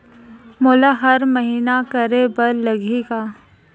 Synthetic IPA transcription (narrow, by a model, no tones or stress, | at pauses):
moːlaɦɐɾmɐɦiːnakɐɾebɐɾlɐɡeɡaː